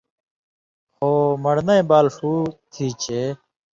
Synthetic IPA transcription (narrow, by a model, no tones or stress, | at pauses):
hoːmɐɽnɐẽbaːlʂuːt̪ʰiːt͡ɕʰeː